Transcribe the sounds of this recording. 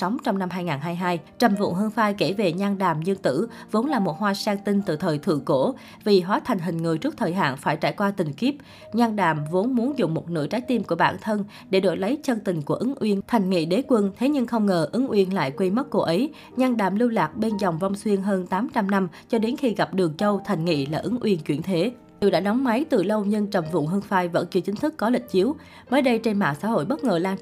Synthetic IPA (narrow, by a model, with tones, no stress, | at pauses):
sɔ˨˦wŋ͡mt͡ɕɔ˧wŋ͡mna˧mɦaː˧jŋaː˨˩nɦaː˧jɦaː˧jt͡ɕə˨˩mvʊ̰˧˨ŋɦə˧ŋfaː˧jke˧˩ve˨˩ɲaː˧nɗaː˨˩mɲɨ˧ŋt̪ɨ̰˧˥vo˨˦nlaː˨˩mo˨˩t̚hwaː˧saː˧ŋt̪ï˧nt̪ɨ̰˧˨˩t̪ʰəː˨˩jt̪ʰɨ̰˧˩˨ko˧˩ | vi˨˩ɦwaː˨˦t̪ʰa˨˩ŋ̟ɦï˨˩ŋ̟ŋɨ˨˩jt͡ɕɨ˦˥ək̚t̪ʰəː˨˩jɦa̰ː˧˨nfaː˧˩jt͡ɕa̰ː˧˩jkwaː˧t̪ï˨˩ŋ̟ki˦˥p̚ | ɲaː˧nɗaː˧˨˩mvo˨˦nmu˨˦ənzʊ̰˧˨ŋ͡mmo˨˩t̚nɨ̰˧˥˩jt͡ɕaː˨˦jt̪i˧mku˧˩əɓaː˧˩nt̪ʰə˧n | ɗe˧˩ɗo̰˧˨˩jlə˨˦jt͡ɕə˧nt̪ï˨˩ŋ̟ku˧˩əʔɨ˨˦ŋʔwi˧ənt̪ʰa˨˩jŋ̟ŋḭ˧˨ɗe˨˦kwə˧nt̪ʰe˨˦ɲɨ˧ŋxə˧wŋ͡mŋəː˨˩ʔɨ˨˦ŋʔwḭ˧ənla̰ː˧˨jkwe˧mə˦˥t̚ko˧˩ʔə˨˦j | ɲaː˧nɗa̰ː˧˨˩mlɨ˧wlaː˨˩k̚ɓe˧nzɔ˨˩wŋ͡mvɔ˧wŋ͡mswi˧ənɦəː˧nt̪aː˨˦mt͡ɕa˧mna˧m | t͡ɕɔ˧ɗe˨˦nxi˧ɣa˨˩p̚ɗɨ˨˩əŋt͡ɕə˧wt̪ʰa˨˩jŋ̟ŋḭ˧˨laː˨˩ʔɨ˨˦ŋʔwi˧˩ənt͡ɕwḭ˧˩ənt̪ʰe˨˦ | ḭ˧˨wɗa̰ː˧˥ɗɔ˨˦wŋ͡mma˨˦jt̪ɨ˨˩lə˧wɲɨ˧ŋt͡ɕə˨˩mvʊ̰˧˨ŋɦɨ˧əŋfaː˧˩jvə̰˧˥nt͡ɕɨ˧t͡ɕï˨˦ŋ̟t̪ʰɨ˦˥kːɔ˨˦lï˨˩k̟̚t͡ɕi˨˦əw | məː˨˦jɗə˧jt͡ɕe˧nma̰ː˧˨˩sa̰ː˧˥ho̰˧˨jɓə˦˥t̚ŋəː˨˩laː˧n